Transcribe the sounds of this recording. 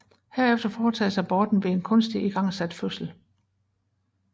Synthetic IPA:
heɐ̰efd̥ɐfɒːt͡sʰɛ̰ːsɑ̈ɪb̥ɒːd̥n̩ʋe̝enkʰɔ̽nsd̥iiɡ̥ɑ̈ŋ̰sæd̥føsl̩

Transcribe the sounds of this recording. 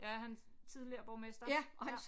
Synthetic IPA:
jæɐhænst͡sʰið̞ˠliɐb̥ɒʊmesd̥ɐjæʔɒ̽hæns

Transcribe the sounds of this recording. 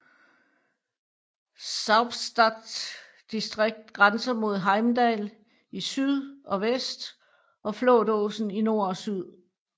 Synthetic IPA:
sɑ̈ʊb̥sd̥æd̥s | d̥isd̥ʁeɡ̥̚d̥ɡ̥ʁansɐmo̝ð̞̰ˠɦɑ̈ɪmd̥ɛl | isyð̰ˠɒ̽ʋesd̥ | ʔɒ̽flodɔsn̩ino̝ɐ̰ɒsyð̞̰ˠ

